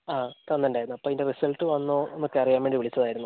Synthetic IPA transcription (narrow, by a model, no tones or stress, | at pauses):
aːt̪ɐnːɐɳɖaːjɾunːuɐpːoːindeʋesɐɭt̪ːɨʋɐnːuenːokːɨɐrijaːmʋeɳɖiʋiɭit͡ɕːɐðaːjiɾunːu